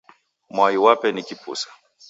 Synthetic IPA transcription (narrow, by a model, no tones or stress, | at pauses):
mwaiwapɛnikipṵsḁ